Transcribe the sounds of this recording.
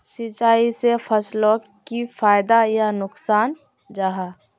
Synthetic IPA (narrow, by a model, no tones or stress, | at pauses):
sit͡ʃaːisepʰəslõ | kifʰaːɪd̪ajanʊksaːn | d͡ʒaːɦaː